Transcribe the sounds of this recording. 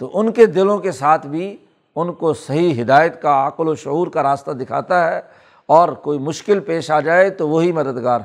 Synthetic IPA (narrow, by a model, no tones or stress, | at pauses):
t̪oʔʊnked̪ɪlõkesaːt̪ʰbʱi | ʊnkosɐɦiɦɪd̪aːjət̪kaaːkloʃʊɦuːɾkaɾaːst̪ad̪ɪkʰa̰ːt̪aɦɛ | ɔːɾkoːimʊʃkɪlpeːʃaːd͡ʒaːet̪oʋoɦimɐd̪əd̪ɡaːɾ